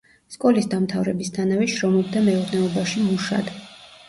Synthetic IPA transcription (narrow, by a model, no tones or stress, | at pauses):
skʼɔlisd̪amt̪ʰavɾɛbist̪ʰanavɛʃɾɔmɔb̚d̪amɛuɾnɛɔbaʃimuʃa̰d̪̥